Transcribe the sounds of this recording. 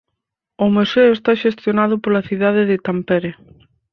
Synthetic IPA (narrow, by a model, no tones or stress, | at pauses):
ʊmuseʊest̪aʃest̪jonaðʊpolaθiðað̞ɪðɪt̪ampeɾe